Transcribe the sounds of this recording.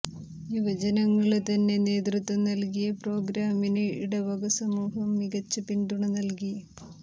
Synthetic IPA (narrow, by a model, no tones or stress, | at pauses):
jiʋɐd͡ʑɐnɐŋːɐɭet̪ɐnːe̞ne̞ːd̪rɨt̪ːʋɐmnɐlkijɐpro̞ːɡɾaːmineʔḭɽɐʋɐɡɐsɐmuːɦɐmːiɣɐt͡ɕːɨpiɳɖuɳɐnɐlkijɐ